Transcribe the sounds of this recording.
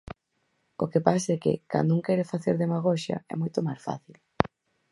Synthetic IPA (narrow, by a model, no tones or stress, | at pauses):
okepas̬ɛkɪ̰ka̰nd̪uŋkɛɾɪfaθeɾðemaɣ̞ɔʃɐ̰ɛ̰mojt̪ʊmasfa̰θil